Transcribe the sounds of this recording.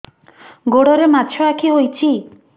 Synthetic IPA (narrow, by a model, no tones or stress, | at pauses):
ɡoɽɔɾematːʃʰɔakʰiɦojt͡ʃʰi